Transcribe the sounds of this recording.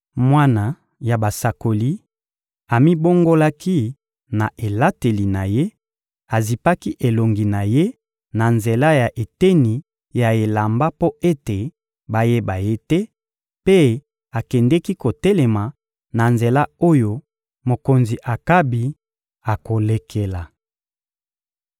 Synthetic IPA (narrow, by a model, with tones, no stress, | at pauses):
mwa˦na˨ | ja˨ba˨sa˨ko˨li˦ | a˨mi˦bo˦ŋɡo˦la˦ki˦ | na˨ʔe˨la˦te˨li˨na˨je˦ | a˨zi˨pa˦ki˦ʔe˨lo˨ŋɡi˨na˨je˦ | na˨nze˨la˦ja˨ʔe˨tɛ˦ni˨ | ja˨e˨la˨mba˦po˦e˦te˨ | ba˦je˦ba˨je˦tɛ˦ | pe˦ | a˨kɛ˨ndɛ˦ki˦ko˨tɛ˦lɛ˨ma˨ | na˨nze˨la˦o˦jo˨ | mo˨ko˨nzi˨ʔa˨ka˦bi˨ | a˨ko˨le˦kʰe˦la˨